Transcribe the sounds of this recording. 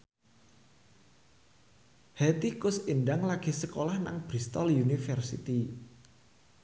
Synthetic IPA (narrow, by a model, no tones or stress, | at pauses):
hɛt̪ikʊsinɖaŋlaɡ̥isəkolahna̰ŋb̥ɾist̪ɔljunifərsḭt̪i